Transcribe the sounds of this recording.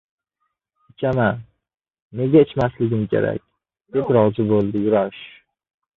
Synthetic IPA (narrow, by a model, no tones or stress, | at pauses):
ɪt͡ʃʰama | ne̞ɡʲaɪt͡ʃmaslɪɡʲɪmkʲʰe̞̰ɾa̰k̚ʲ | d̪̥ep̪ɾɒzɪbolˠd̪ɪjʊɾaɾɪʃ